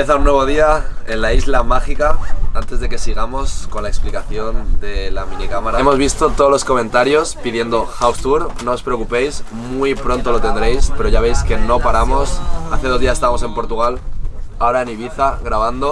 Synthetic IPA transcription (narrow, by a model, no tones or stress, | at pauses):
eθaunːwe̞βo̞ðiae̞nlaizlamaxikaant̪e̞zðe̞ke̞siɣ̞amo̞sko̞nlae̞ksplikaθjo̞nd̪e̞lamĩnikamaɾaemo̞zβist̪o̞t̪oðlo̞sko̞mẽ̞nt̪aɾjo̞spiðje̞nd̪o̞xawst̪uɾno̞ːspɾe̞okupe̞js | mwuipɾo̞nt̪o̞lo̞t̪e̞nd̪ɾe̞jspe̞ɾo̞ʝaβ̞e̞jske̞no̞paɾamo̞saθeð̞o̞zðiasest̪aβamose̞mpo̞ɾt̪uɣ̞alao̞ɾaeniβ̞iθaɣɾaβ̞and̪o̞